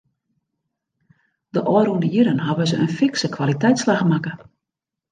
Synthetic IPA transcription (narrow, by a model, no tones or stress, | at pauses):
d̥əʔɔəɾuəndəjiɾənɦaʋəzəʔənfɪksəkʰʋalitɛjtslaxmakə